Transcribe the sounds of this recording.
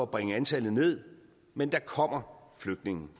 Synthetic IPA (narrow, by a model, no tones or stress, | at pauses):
ɒːb̥ʁaŋəænt͡sʰæl̰ð̩ˠne̝ð̰ˠ | mend̥ɑ̈kʰɒ̽m̰ɐfløɡ̥̚d̥ne̝ŋn̩